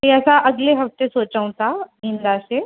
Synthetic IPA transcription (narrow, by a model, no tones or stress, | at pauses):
ɦĩəsaʔəɡleɦəft̪esot͡ʃəw̃t̪aɦind̪ase